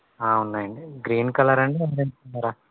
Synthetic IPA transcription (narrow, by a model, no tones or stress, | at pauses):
aːunːaːjɐɳɖiɡɾiːnkɐlɐɾɐɳɖiɐʋɐɾɐnunːaːɾaː